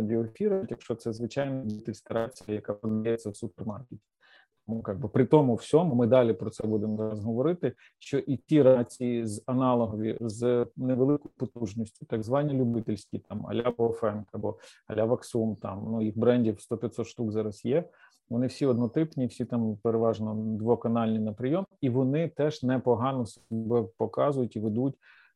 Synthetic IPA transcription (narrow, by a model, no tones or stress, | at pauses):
adʲɪɔefʲiɾɐtʲjɐkʃt͡ʃɔt̪sɛzʋɪt͡ʃɑjnɐdʲit̪ɪlʲsʲk̪ɐɾat͡sʲijɐjɐkapɔd̪ɐjɛt͡sʲːɐwsupermɑrketʲi̥ | t̪ɔmukɑɡ̚bɪpɾɪt̪ɔmʊwsʲɔmʊmɪd̪ɑlʲipɾɔt̪sɛbud̪emɔzɑɾɐzɦɔʋɔɾɪt̪ɪ | ʃt͡ʃɔʔitʲiɾat͡sʲijizɐnɑlˠɔɦɔʋʲḭzneʋlˠɪkʊjʊpɔt̪uʒnʲisʲtʲʊ̥t̪ɐɡzʋɑnʲilʲubɪt̪ɪlʲsʲkʲit̪ɑmɐ̰lʲabɔfɛnkɐbɔ̰ɐ̰lʲaʋɐksumt̪ɑ̰mnujixbɾɛnʲdʲiwst̪ɔpʲɐt̪sɔt̪ʃt̪ukzɑɾɐsjɛ | ʋɔnɪwsʲiɔd̪nɔt̪ɪpnʲiwsʲit̪ɑmpeɾeʋɑʒnɔd̪ʋɔkɐnɑlʲnʲinɐpɾɪjɔmiʋɔnɪt̪ɛʒnɛpɔɦɑnɔsbɛpɔkɑzʊjʊtʲiʋed̪utʲ